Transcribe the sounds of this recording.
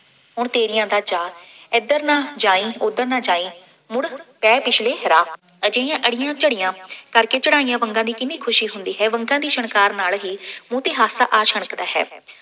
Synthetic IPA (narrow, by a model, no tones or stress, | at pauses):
ɦʊɳt̪eːɾɪjãːd̪aːd͡ʒaːɪd̪əɾnaːd͡ʒaːĩːod̪əɾnãːd͡ʒaːiː | mʊɽpɛːpɪt͡ʃʰleːɦɾaː | əd͡ʒẽjãːʔəɽɪjãːt͡ʃəɽɪjãːkəɾkeːt͡ʃəɽaːijãːʋəŋɡãːd̪iːkɪniːkʰʊʃiːɦʊnd̪iːɦɛːʋəŋɡãːd̪iːʃəɳkaːɾnaːlɦiːmũːt̪eːɦaːsaːʔaːʃʰəɽ̃əkd̪aːɦɛ̰ː